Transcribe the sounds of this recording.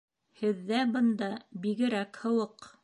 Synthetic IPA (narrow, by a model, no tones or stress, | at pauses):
hɘ̆ðːæbɤ̆nd̪ɑbiɡɘ̆ɾækhɤ̆wɤq